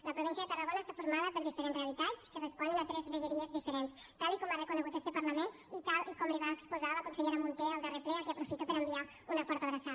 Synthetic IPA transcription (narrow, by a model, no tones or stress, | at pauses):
ləpɾuβ̞insiəðət̪ərəɣ̞onəːst̪afuɾmaðəpəɾðifəɾenzreəlit̪at͡skərəspɔnənat̪ɾɛzβəʎəɾiəzðifəɾens | t̪alˠikɔmarəkunəɣut̪ɛst̪əpɐɾləmen | it̪alˠʔikɔmliβaəkspuzaləkunsəʎeɾəmunt̪ɛəlˠd̪erefɾeakeəpɾufit̪əpəɾəmbia | unəfɔɾt̪əβɾəsa